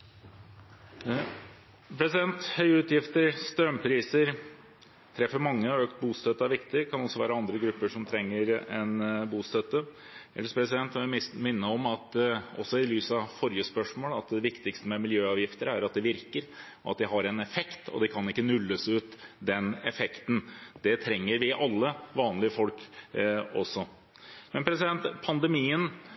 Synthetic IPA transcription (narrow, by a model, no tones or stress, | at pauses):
pʰɾɛsɪd̪ɛnt̪hœʏʉːt̪jɪft̪əɾst̪ɾœmpʰɾiːsəɾ | t̪ʰɾɛfːəɾmɑŋːəɔøːkt̪̚buːst̪œt̪ːəɑʋɪkt̪əɾkʰɑnɔsːɔʋæ̰ːɾəɑnd̪ɾəɡɾʉpːəʂɔmt̪ʰɾɛŋːəɾɛnbuːst̪œt̪ːə | ɛ̰lːəspʰɾɛsɪd̪ɛnt̪ʋɛmɪnːəɔmɑt̪ʔɔsːɔɪlyːsɑfɔɾjəspœʂmoːlɑt̪d̪ɛʋɪkt̪ɪkst̪əmɛmɪljøːɑːʋjɪft̪əɾæɾɑt̪̚d̪ɛʋɪɾkəɾ | ʔɑ̰t̪̚d̪ɪɦɑɾɛnɛfɛkt̪ʰɔ̰d̪ɛkʰɑnɪkːənʉlːəsʉːt̪d̪ɛnɛfɛkt̪n̩d̪̥ɛt̪ʰɾɛŋːəɾʋɪʔɑlːəʋɑːnlɪəfɔlk | ɔsːɔ | mɛnpʰɾɛsɪd̪ɛnt̪pʰɑnd̪ɛmiːən